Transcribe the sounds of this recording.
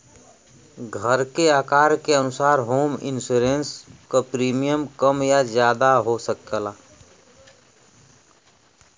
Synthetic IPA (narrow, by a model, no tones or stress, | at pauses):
ɡʱəɾkeaːkaːɾkeənʊsaːɾɦoːmɪ̰nsuɾẽnskapɾiːmijəmkəmjazjaːd̪aɦosəkəlaː